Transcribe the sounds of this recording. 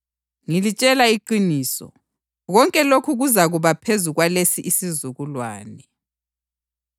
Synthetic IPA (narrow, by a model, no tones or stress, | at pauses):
ŋilit͡ʃʼɛlaiǃiniːsɔ̰ | ɣɔŋkʼɛlokʰuɣuzaɣuβapʰezuɣwalesiʔisizuɣulwaːnɛ